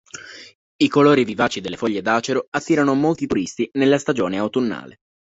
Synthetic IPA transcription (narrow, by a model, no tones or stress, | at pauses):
ikoloːɾivivaːt͡ʃid̪elːefɔʎːed̪aːt͡ʃeɾoat̪ːiːɾanomolt̪it̪uɾist̪inelːast̪ad͡ʒoːneawt̪unːa̰ːle